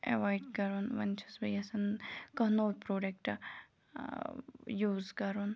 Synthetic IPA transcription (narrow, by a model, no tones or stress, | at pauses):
ḛʋaːjɖkɐɾoːnʋɐnt͡ʃʰɐsbɐjɐsɐnkɐɦnoːlpɾoːɖek̚ʈ | juːzkɐɾoːn